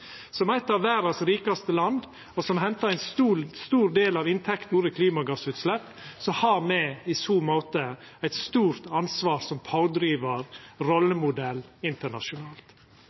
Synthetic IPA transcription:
sɔmæɪt̪ːɑʋʋæːɾɑsɾiːkɑst̪əlɑnd̪ | ɔsɔmɦɛnt̪ɑɾæɪnsust̪uːɾd̪eːlɑʋɪnt̪ʰɛkt̪nuɾəkʰliːmɑɡɑsʉːt̪slɛpːsɔhɑːɾmɛɪsuːmoːt̪ə | æɪt̪st̪uːɾt̪ɑnsʋɑːɾsɔmpʰɑʊd̪ɾiːʋɑɾɾɔlːəmʊd̪ɛlːɪnt̪əɳɑʂʊnɑːlt̪

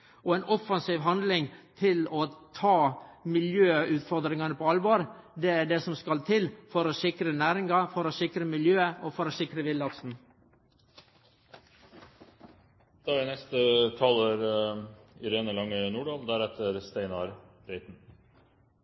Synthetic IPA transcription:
ɔɛɪnʔɔfɑnsiːʋɦɑnd̪lɪŋt̪ʰɪlot̪ʰɑːmɪljøːʉːt̪fɔɾd̪ɾɪŋɑnəpʰɔɑlʋoːɾd̪ɛæɖesɔmskɑlt̪ʰɪlfɔɾosɪkɾənæːɾɪŋɑfɔɾoːsɪkɾəmɪljøːəʔoːfɔɾoːsɪkɾəʋɪlɑksn̩ | d̪̥ɑːɪnɛst̪ət̪ʰɑːləɾ | ɪɾeːnəlɑŋːənuːɖɑːld̪æɾɛt̪ʰəɾst̪æɪnɑɾ | bɾɛɪt̪n̩

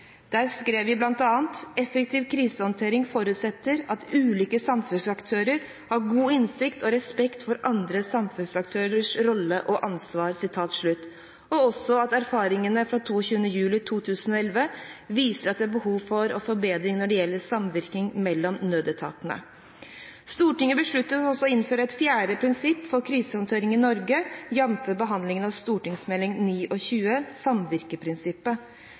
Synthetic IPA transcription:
d̪̥æːɾskɾeːʋʋɪblɑnt̪ɑːənt̪ɛfɛk̚t̪ʰiːʋkʰɾiːsəhɔnt̪ʰeːɾɪŋfɔɾʉːt̪sɛt̪ːəɾɑt̪ʉːliːkəsɑmfʉnsɑkt̪ʰøːɾəɾ | hɑɾɡuːɪnsɪkt̪ʰɔɾɛspɛkt̪fɔɾʔɑnd̪ɾəsɑmfʉnsɑk̚t̪ʰøːɾəʂɾɔlːəʔɔʔɑnsʋɑːɾsɪt̪ʰɑːt̪ʂɭʉt̪ː | ɔɔsɔɑt̪æɾfɑːɾɪŋənəfɾɑt̪ʰuːçʉːənəjʉːlɪt̪ʰuːt̪ʰʉːsənɔɛlʋəʋiːsəɾɑt̪d̪ɛæɾbəhuːʋfɔɾɔfɔɾbeːd̪ɾɪŋnɔɖɛjɛlːəɾsɑmʋɪɾk̪ɪŋmɛlːɔmnøːd̪ət̪ʰɑ̰ːt̪ənə̰ | st̪uːʈɪŋəbəʂɭʉt̪ːət̪ɔsɔɪnføːɾəɛt̪fjæːɖəpʰɾɪnsɪpːfɔɾkʰɾiːsəhɑnt̪ʰøːɾɪŋɪnɔɾɡəjɛmføːbəɦɑnd̪lɪŋənɑʋst̪uːʈɪŋsmɛlːɪŋniːʔɔçʉːəsɑmʋɪɾkəpʰɾɪnsɪpːə

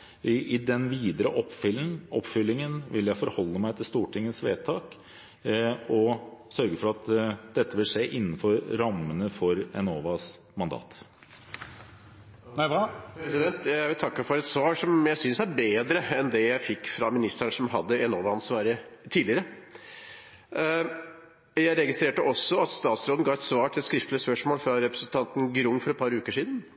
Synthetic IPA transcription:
ʔɪd̪ɛnʋiːd̪əɾəʔɔpfʏlʔɔ̰pːfʏlːɪŋənʋɪljæɪfɔɾhɔlːəmæɪt̪ʰɪlst̪uːʈʰɪŋːəsʋḛːt̪ʰɑːk | ɔsœɾɡəfɔɾɑt̪d̪̥ɛt̪ʰːəʋɪlʂeːʔɪnːn̩fɔɾːɑmːənəfɔɾɛnoːʋɑs | mɑnd̪ɑ̰ːt̪ | næɪʋɑpɾɛsɪd̪ɛnt̪jæɪʋɪlt̪ʰɑkːəfɔɾɛt̪sʋɑːʂɔmjæɪsʏnsæɾbeːd̪ɾəɛnd̪ɛjæɪfɪkːfɾɑmɪnɪst̪æɳəsɔmɦɑd̪ːəɛnoːʋɑɑnsʋɑːɾət̪ʰiːd̪lɪəɾə | jæɪɾɛɡɪst̪ɾeːʈəʔɔsːɔɑt̪st̪ɑːt̪sɾoːd̪n̩ɡɑːʋɛt̪sʋɑːʈʰɪlɛt̪skɾɪft̪lɪəspœʂmoːlfɾɑɾɛpɾəsən̩t̪ʰɑnt̪nɡɾʊŋːfɔɾɛt̪̚pʰɑɾʉːkəʂiːd̪n̩

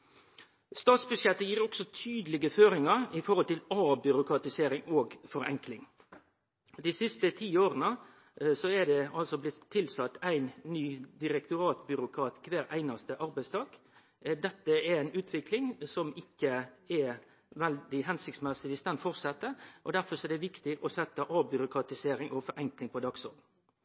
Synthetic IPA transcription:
st̪ɑːt̪sbʉʃjɛt̪ːəjiːɾɔksɔt̪ʰyːd̪əlɪɡəføːɾɪŋɑɾɪfɔɾhɔlt̪ɪlɑːbʏɾʊkɾɑt̪ɪseːɾɪŋoːɡfɔɾɛ̰ŋklɪŋ | d̪isɪst̪ət̪ʰiːoːɾənə | sɔɛɖ̪ɛɑlsɔblɪt̪ʰːɪlsɑt̪ːæɪnːyːd̪ɪɾɛkt̪ʊɾɑːt̪bʏɾʊkʰɾɑːt̪kʰʋæːɾæ̰ɪnɑst̪əʔɑɾbæɪst̪ʰɑːk | d̪ɛt̪ːəɛɾæɪnʉːt̪ʰʋɪklɪŋsɔmɪkːəɛ | ʋɛld̪ɪɦɛnsɪkt̪smɛsɪɪst̪ɑnfɔʁsɛt̪ːəʔɔd̪æɾfɔsɔɛd̪ɛʋɪkt̪ɪʔɔsɛt̪ːəʔɑːbʏɾʊkɾɑt̪ɪseːɾɪŋʔɔfɔɾʔɛŋklɪŋpʰɔd̪ɑɡsɔɾd̪n̩

